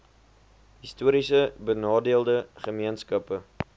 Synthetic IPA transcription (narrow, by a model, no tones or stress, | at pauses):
ɦistuəɾisəbənɑːdiəlˠdəχəmiənskɐpə